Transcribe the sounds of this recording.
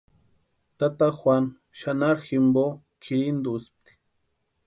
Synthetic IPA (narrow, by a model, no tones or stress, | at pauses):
t̪at̪axwʷan | ʃanaɾximbo | kʰiɾind̪usp̚t̪i̥